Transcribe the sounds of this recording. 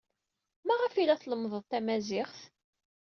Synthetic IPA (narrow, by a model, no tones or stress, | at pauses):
mæʁəfilæθləmðˤəðˤt̪æmæzɪχθ